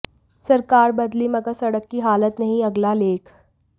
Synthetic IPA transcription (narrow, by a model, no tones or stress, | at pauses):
sɐɾkaːɾbɐd̪limɐɡəɾsɐɽəkːiɦaːlət̪nɐɦĩɐɡlaleːkʰ